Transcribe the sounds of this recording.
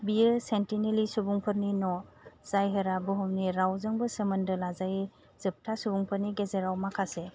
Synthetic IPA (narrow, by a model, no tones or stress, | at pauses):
biɯsentinelisubuŋpʰɯɾninɔz̥ajɦɯɾabuɦɯmniɾawzɯŋbɯsəmɯndɯlazaji | z̥ɯp̚tʰasubuŋpʰɯɾniɡezeɾawmakʰase